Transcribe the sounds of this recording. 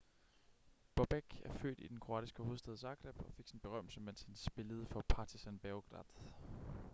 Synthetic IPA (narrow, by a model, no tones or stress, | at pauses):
b̥ɒb̥eɡ̥æɐfø̰ːd̥id̥enkʰʁo̝ɑ̰ːd̥isɡ̥əho̝ðˠsd̥eð̞ˠsɑ̈ːɡ̥ʁeb̥ɒ̽fe̝ɡ̥sin̩b̥e̝ʁɶm̰l̩səmen̰sinsb̥e̝ləð̞̩ˠəfɒ̽pʰɑ̈ːt͡sʰisænb̥æɡ̥ʁɑ̰d̥